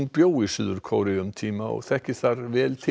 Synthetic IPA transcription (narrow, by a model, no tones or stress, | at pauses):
npjoːwɪsʏðʏɾ̥kʰoːwɾɪɣʏmt̪ʰiːmaɔ̰ɣθɛhcɪsθaɾvɛːlt̪ʰɪ